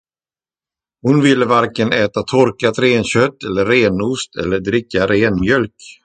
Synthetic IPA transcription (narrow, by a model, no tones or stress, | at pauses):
hʊnvɪlːəvaɾkənɛːt̪at̪ʰɔɾkat̪ɾeːnɕœt̪ːɛlːəːeːnust̪ʰɛ̰lːəɖɾɪkːaɾeːnmjœlk